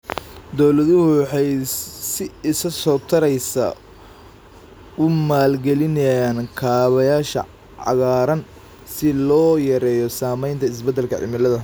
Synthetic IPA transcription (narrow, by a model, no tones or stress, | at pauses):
d̪ɔwlɐðʊhʊwɑħɑjsɪɪsɐsɔːt̪ʰɐɾɛjsɐ̰ | ʊmaːlɡɛlɪnɐjjaːnkʰaːβɐjaːʃɐ̰ | ʕɑ̰ɣaːɾɐn | sɪlɔːjɐɾɛːjɔsaːmɛjnt̪ʰɐɪs̬bɐd̪ːɛlkʰɐ̰ʕɪ̰mɪlɐðɐ